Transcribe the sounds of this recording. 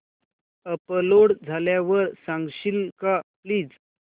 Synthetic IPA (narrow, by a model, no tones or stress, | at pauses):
əpəloɽd͡zʱaljaʋəɾsãŋɡɕilkapliːd͡z